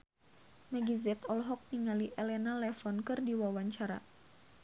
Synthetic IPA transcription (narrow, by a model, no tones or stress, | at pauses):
maɡizɛt̪ɔlɦɔk̚niŋaliʔɛlɛnalɛfɔnkɨrdiwawaɲt͡ʃaɾa̰